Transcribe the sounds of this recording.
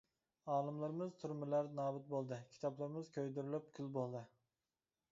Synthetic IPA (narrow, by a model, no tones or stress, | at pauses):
ɑːlˠɨmlˠɨɾɨmɨzt̪ʰuɾmɨlæɾnɑːbɪt̪̚bolˠd̪ɨkʲʰi̥t̪ʰɑplˠɨɾɨmɨzkʲʰøjd̪yɾylyp̚kʲʰylbolˠd̪ɨ